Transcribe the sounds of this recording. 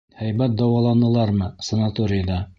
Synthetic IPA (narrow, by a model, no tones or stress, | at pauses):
hæjbæt̪̚d̪ɑwɑlˠɑnɤ̆lˠɑɾmɤsə̆nat̪oɾʲɪjəd̪ɑ